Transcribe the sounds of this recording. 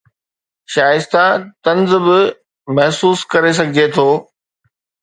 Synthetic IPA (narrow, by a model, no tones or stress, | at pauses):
ʃaːjɪst̪at̪ɐ̃nzbɪ | mɐɦsuːskɐɾes̬ɐɡʱɪd͡ʑet̪ʰoː